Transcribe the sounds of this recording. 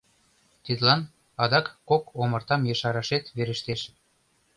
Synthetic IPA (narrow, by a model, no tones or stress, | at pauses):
t̪id̪lɑn | ɑd̪ɑkːokomɤ̆rt̪ɑmjeʃɑɾɑʃet̪βeɾə̆ʃt̪eʃ